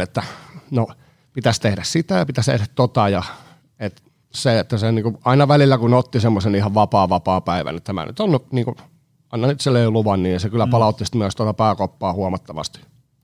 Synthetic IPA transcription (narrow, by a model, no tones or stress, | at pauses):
et̪ːæno | pit̪æst̪ehɾæssit̪æjɑpit̪æst̪ḛhɾæt̪t̪ot̪ɑjɑ | et̪ | seet̪ːæseniːŋkuɑinɑʋælilːækunot̪ːisemːosenihɑʋʋɑpɑːʋɑpɑːpæiʋæ̰nḛt̪ːæmæ̰ny̰t̪onːuniːŋku | ɑinɑnyt̪seleyluʋɑnniːsekylːˑæpɑlɑut̪ːist̪myøst̪uot̪ɑpæːkopːɑːhuɑmɑt̪ːɑʋɑ̰st̪i̥